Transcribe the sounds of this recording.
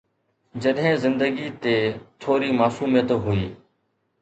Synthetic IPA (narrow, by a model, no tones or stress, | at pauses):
d͡ʑəɗɦɪ̃zɪ̃nd̪əɡiːt̪eːt̪ʰoːɾiːmaːsuːmijət̪ɦʊiː